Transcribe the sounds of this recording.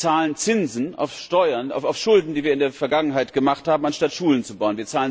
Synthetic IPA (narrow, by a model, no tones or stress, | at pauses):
t͡saːlənt͡sɪnzn̩a̰ʊfʃtɔʏɐna̰ʊfaʊfʃʊldn̩diːviːɐɪndeːɐfɛɐɡaŋənɦaɪtɡ̥əmaχthaːbm̩anʃtatʃuːlənt͡subaʊənviːɐt͡saːlən